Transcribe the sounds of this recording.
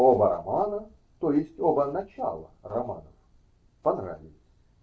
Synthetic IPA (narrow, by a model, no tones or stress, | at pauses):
obəɾɐ̰manə | t̪ojɪsʲtʲobənɐt͡ɕa̰lˠə̰rɐma̰nəf | pɐnra̰vʲɪlʲˠsʲ